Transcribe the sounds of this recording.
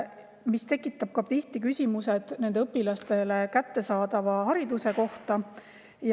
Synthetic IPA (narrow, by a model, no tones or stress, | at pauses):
mist̪e̞kːˑit̪ːˑɑb̥̚kɑb̥t̪iht̪ikysʲimuse̞d̪̥ne̞nd̪eɤpːilɑst̪e̞le̞kæt̪ːe̞sɑːd̪ɑvɑhɑɾid̪̥use̞ko̞ht̪ɑ | j